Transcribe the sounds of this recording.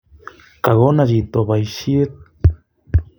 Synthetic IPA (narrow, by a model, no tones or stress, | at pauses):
kaɣonad͡ʒit̪oβajʃiet̪̚